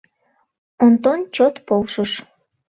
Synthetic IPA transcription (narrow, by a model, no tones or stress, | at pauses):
ont̪ont͡ɕot̪polʃəʃ